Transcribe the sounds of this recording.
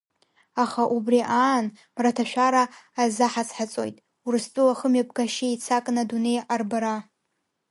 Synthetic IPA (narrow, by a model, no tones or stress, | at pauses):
aχaʔubriʔaːn | mratʰaʃᶣaɾaːzaħat͡sʰħat͡sʼo̞̰jtʼ | urɨstʼuaχəmɥap̚ɡaʃiit͡sʰakʼnadune̞jarbaɾa